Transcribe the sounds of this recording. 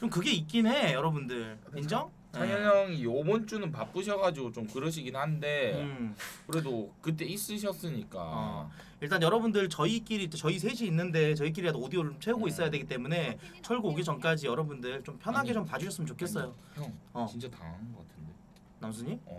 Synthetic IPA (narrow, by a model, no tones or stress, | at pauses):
t͡ɕomkɯɡe̞ik͈ine̞jʌɾʌbundɯɭkind͡ʑʌ | t͡ɕajʌʌŋijobont͡ɕ͈unɯnpap͈ɯɕʰʌɡad͡ʑiɡot͡ɕomkɯɾʌɕ̬ʰiɡinhande̞ | kɯɾe̞dokɯt̬͈e̞is͈ɯɕ̬ʰʌs͈ɯɲik͈a̰ʌ | iɭt͈anjʌɾʌbundɯɭt͡ɕʌik͈iɾit͡ɕ͈et͡ɕʌisʰe̞ɕʰiːnːɯnde̞t͡ɕʌik̬͈iɾiɾadoodioɾomt͡ɕʰwe̞uɡois͈ʌjade̞ɡit͈e̞mune̞t͡ɕʰʌɭɡuːɡit͡ɕʌnk͈ad͡ʑijʌɾʌbundɯɭt͡ɕompʰjʌnɦaɡe̞t͡ɕompad͡ʑuɕʰʌs͈ɯmənt͡ɕokʰe̞s͈ʌjo | ʌt͡ɕint͡ɕ͈ata̰nɡʌk͈atʰɯnde̞ | namsʰuɲim̰